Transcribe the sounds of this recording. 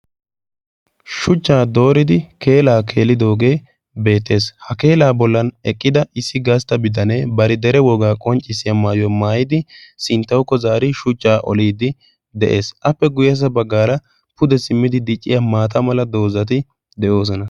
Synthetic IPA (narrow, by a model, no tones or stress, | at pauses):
ʃʊt͡ʃʼːaːd̪o̞ːɾɪd̪ɪke̞ːlaːkʰe̞ːlːɪd̪o̞ːɡe̞ː | be̞ːt̪ːe̞ːshɐke̞ːlaːbɔlːɐnɛkʼːɪd̪ɐɪsːɪɡast̪ːɐbɪd̪ɐneːbɐɾɪd̪ɛɾɛwɔɡaːkʼɔnt͡ʃʼːɪsːɪjamaːjɔmaːjɪd̪ɪsɪnt̪ːɐwkːɔzaːɾɪʃʊt͡ʃʼːaːʔɔ̰liːd̪ɪ | d̪ɛʔe̞ːsʔɐpːɛɡʊjɐs̬ɐbɐɡːaːɾɐ | pʊd̪ɛsɪmːɪd̪ɪd̪ɪt͡ʃʼːɪjamaːt̪ɐmɐlɐd̪o̞ːzɐt̪̬ɪ | d̪ɛʔo̞ːs̬ɔnɐ